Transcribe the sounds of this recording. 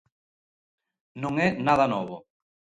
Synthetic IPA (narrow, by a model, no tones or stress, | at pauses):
nõŋɛnaðanɔβo